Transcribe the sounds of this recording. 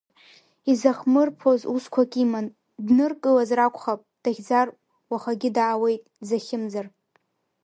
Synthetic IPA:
izaχmɨrpʰozuskʷʰakʲʼiman | dnɨrkʼɨlazrakʷʰʼχapʼd̥aχʲd͡zar | waχaɡʲɪdaːwe̞jtʼzaχʲɪmzar

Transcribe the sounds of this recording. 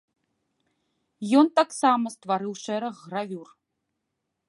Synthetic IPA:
jɔnt̪aksamɐst̪vaɾɨwʂɛɾɐɣːravʲur

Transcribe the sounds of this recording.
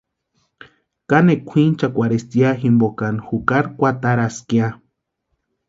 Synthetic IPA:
kanekʷʰint͡ʃakʷaɾest̪iaximbokanxukaɾkʷat̪aɾaskia

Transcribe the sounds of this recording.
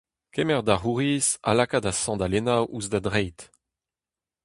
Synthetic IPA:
kemɛʁd̪aʁuʁiːsa̰lakadasɑ̃d̪alenawuzdad̪ʁɛjt̪

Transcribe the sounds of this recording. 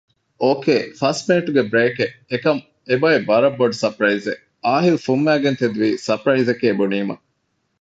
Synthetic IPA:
ʔoːkeːfɐsmeːʈuɡebɾeːkeekɐm | ebɐebɐɾɐbːoɖsɐpɾɐize | aːɦilufumːæːɡent̪ed̪uʋiːsɐpɾɐizekeːbuniːmɐ̰

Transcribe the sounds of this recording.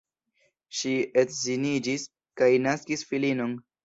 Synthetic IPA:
ʃietzinid͡ʒis | kajnaskisfilino̞n

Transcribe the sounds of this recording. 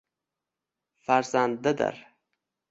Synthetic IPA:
fæɾzand̪ːad̪ɪ̰ɾ

